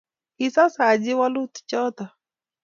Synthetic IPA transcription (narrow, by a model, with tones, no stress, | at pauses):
ɪ˨sa˦sa˨d͡ʒɪ˦wa˦lu˦t̪t͡ʃɔ˦t̪ɔ˨